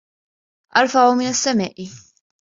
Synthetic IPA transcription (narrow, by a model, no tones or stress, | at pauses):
ʔɐɾfɐumiːnɐsːɛmɛʔi